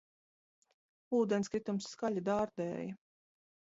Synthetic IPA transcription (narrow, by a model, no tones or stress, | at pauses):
uːd̪ɛnskɾit̪umsːkaʎʲad̪aːɾd̪ɛ̰ːjɐ